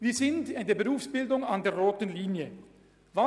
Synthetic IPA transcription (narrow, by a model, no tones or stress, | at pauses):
viːɐzɪntdeːɐbəʁuːfsb̥ɪldʊŋɑndeːɐʁoːtənliːnjə | va